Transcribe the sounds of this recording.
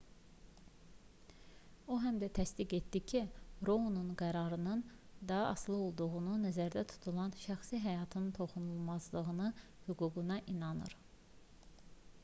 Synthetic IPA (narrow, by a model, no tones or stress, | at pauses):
oɦæmd̪æt̪ʰæsd̪iɡe̞t̪d̪icʰiɾoununɡæɾɑɾɯnɯnd̪ɑɦɑɑslˠɯo̞lˠd̪uɣununæzæɾd̪æt̪ʰu̥t̪ʰulˠɑnʃæxsiɦæjɑt̪ʰɯnt̪ʰo̞χunulˠmɑzlˠɯɣɯnɯ | hyɡuɡunɑʔinɑnɯ̰ɾ